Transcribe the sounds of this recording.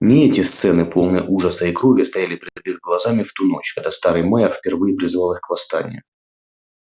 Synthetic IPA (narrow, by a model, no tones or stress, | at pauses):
nʲɪɛtʲɪst̪sɛnɨpʰo̞lˠnɨjə̰ʔuʐəsəikɾuvʲɪst̪ɐjalʲɪpʲɾʲɪd̪ɨd̪ɨɣɡlˠɐzamʲɪft̪uno̞t͡ɕkɐɡ̚d̪ast̪aɾɨjmajərfʲpʲɪrvɨjəpɾʲɪzvalˠɨxkvɐst̪a̰nʲɪ̰jʊ̰